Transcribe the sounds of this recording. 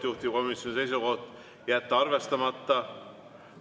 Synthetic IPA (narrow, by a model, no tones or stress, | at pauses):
juht̪iko̞misjo̞nise̞js̬uko̞ht̪ˑ | jæt̪ːɑɑrve̞st̪ɑmɑt̪ːˑɑ